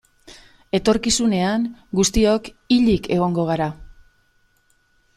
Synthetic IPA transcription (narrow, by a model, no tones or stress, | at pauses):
e̞t̪o̞ɾkisune̞aŋɡust̪io̞k | iʎike̞ɣ̞o̞ŋɡo̞ɣ̞aɾa